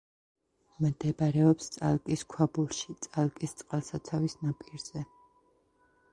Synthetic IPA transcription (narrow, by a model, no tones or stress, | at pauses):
md̪ɛbaɾɛɔpst̪sʼa̰lˠkʼiskʰwabulˠʃit̪sʼalˠkʼist̪sʼqʼalˠsat̪sʰavisnapʼiɾz̥ɛ